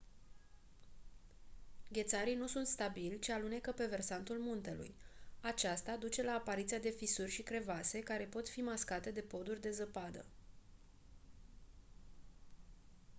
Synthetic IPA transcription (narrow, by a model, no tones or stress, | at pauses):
ɡʲe̞t̪saɾijnusunt̪st̪abilʲt͡ʃialune̞kəpe̞ve̞rsant̪ulmunt̪e̞lṵjat͡ʃast̪ad̪ut͡ʃe̞laːpaɾit̪sijad̪e̞fisurʲʃikɾe̞vase̞kaɾe̞po̞t̪fimaskat̪e̞d̪e̞po̞d̪urʲd̪e̞zəpad̪ə̰